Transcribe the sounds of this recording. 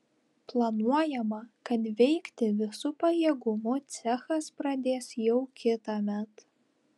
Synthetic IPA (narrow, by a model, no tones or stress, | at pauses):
plˠɐnuɔjɛmɐkɐt̪ʋʲɛɪkt̪ʲɪʋʲɪsʊpɐjeːɡʊmʊt̪sʲɛxɐspɾɐd̪ʲeːsjɛʊkʲɪt̪ɐmʲɛt̪